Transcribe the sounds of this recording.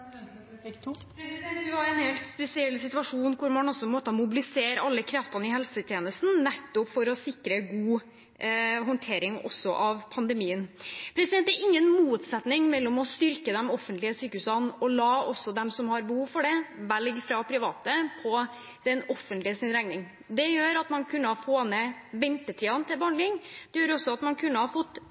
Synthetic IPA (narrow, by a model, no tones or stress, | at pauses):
pʰɾɛsɛnt̪d̪ʉhɑɾɛnheːlt̪spɛsɪɛlːsɪt̪ʉʋɑʂuːnkʰʊɾmɑnɔsɔpɔmoːt̪ɑmʊbɪlɪseːɾɑlːəkʰɾɑft̪ɑnɪhɛlsət̪ʰjeːnəst̪nnɛt̪ːʊpfɔɾɔsɪkɾəɡuː | ɦɔnt̪ʰeːɾɪŋɔ̰sːɔʔɑʋpʰɑnd̪əmiːənpʰɾɛsɪd̪ɛnt̪d̪ɛɾɪŋːənmuːt̪sɛt̪nɪŋmɛlːɔmɔst̪ʏɾkəd̪ɛmɔfːənt̪lɪəsyːkəʉːsɑnɔlɑːɔsɔd̪ɛmsɔmhɑɾbəhuːʋfɔɖɛʋɛlɡfɾɑpʰɾɪʋɑːt̪əpʰɔ | d̪̥ɛnɔfːənt̪lɪəsɪnɾɛŋnɪŋ | d̪ɛjøːɾɑt̪mɑnkʰʉnːəhɑɾfoːnɛʋɛnt̪ət̪ʰiːɑnt̪ʰɪlbhɑnɳlɪŋd̪̥ɛjøːɾɔsːɔɑt̪mɑnkʰʉnːəhɑɾfɔt̪ː